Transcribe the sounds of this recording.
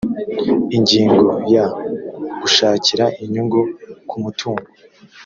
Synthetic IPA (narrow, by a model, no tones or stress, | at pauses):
iɲɟiːŋɡoja | ɡ̥uʃaːciɾaʔiɲuɡukumutʰuːŋɡo